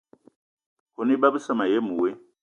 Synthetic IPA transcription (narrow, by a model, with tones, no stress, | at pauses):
kʰo˨ni˦ba˦bu˦sa˦ma˨je˦mu˨we˦